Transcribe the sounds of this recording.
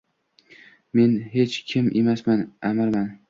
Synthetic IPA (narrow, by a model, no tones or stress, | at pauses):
me̞nɦe̞t͡ʃkʲʰɪmʔemasmanamaɾman